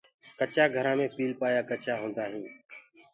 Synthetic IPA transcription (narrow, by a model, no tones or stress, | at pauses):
kət͡ʃaːɡʱəɾãːmẽːpiːlpaːjaːkət͡ʃaːɦõːnd̪aːɦĩː